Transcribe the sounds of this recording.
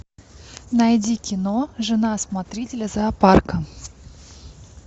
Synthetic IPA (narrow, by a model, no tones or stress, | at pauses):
nɐjdʲikʲɪnoʐɨnasmat̪ɾʲitʲɪlʲəzɐːparkə